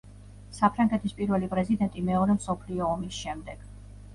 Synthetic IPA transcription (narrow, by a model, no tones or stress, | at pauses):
sapʰɾaŋɡɛt̪ʰispʼiɾvɛlipʼɾɛzid̪ɛnt̪ʼimɛɔɾɛmsɔpʰliɔːmisʃɛmd̪ɛɡ̥